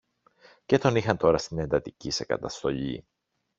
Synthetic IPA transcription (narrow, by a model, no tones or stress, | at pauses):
ce̞t̪o̞nixɐnt̪o̞ɾɐst̪ine̞nd̪ɐt̪icise̞kɐ̰t̪ɐst̪o̞ʎḭ